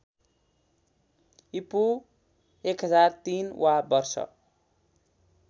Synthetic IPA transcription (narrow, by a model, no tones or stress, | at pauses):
ipu | ekɦʌd͡zart̪inwʔabʌrsʌ̰